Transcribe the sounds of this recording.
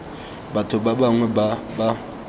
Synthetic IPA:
batʰʊbabaŋwɛbaba

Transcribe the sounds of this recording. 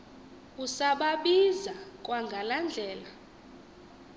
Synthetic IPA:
usaɓaɓizak̬ʼwaŋɡʱaland͡ɮʱɛːla

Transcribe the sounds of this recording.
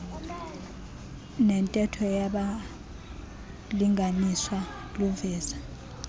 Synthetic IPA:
nɛntʼɛtʰɔjaɓa | liŋʱaniswa | luvɛːz̥a

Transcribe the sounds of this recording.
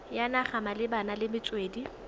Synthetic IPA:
janaχamalɪbanalɪmɪt͡sʼweːdi

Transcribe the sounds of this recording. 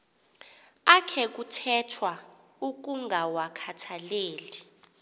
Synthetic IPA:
akʰɛk̬utʰɛtʰwa | uk̬uŋɡʱawakʰatʰaleːli

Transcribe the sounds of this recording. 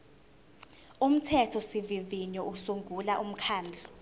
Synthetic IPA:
um̩tʰɛtʰɔsiviviɲɔusuŋɡʱulaʔum̩kʰaːnd͡ɮʱɔ

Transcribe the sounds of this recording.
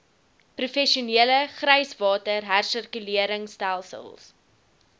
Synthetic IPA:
prufɛʃiuniələχrəjsvɑːtərɦærsərkyliəɾəŋstælˠsə̰lˠs

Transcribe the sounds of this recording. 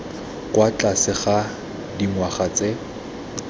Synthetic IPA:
kwat͡ɬʼasɪχa | diŋwaχat͡sʼe

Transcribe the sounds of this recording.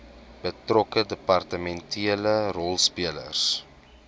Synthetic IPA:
b̥ətrɔkədəpɐrtəmɛntʰiələrɔlˠspiələ̰rs

